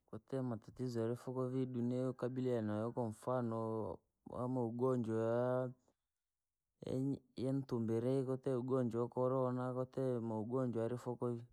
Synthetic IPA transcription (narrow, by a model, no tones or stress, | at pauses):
kɔtɛmatatizɔaɾifɔkɔviɗunɛukabilianajɔkɔɱ̩fanɔ | wa̰mauɡɔɲd͡ʒɔa | ɛ̰jɛn̩tumbɛɾɛikɔtɛuɡɔɲd͡ʒɔkɔɾɔnakɔtɛmauɡɔɲd͡ʒɔaɾifɔkɔvi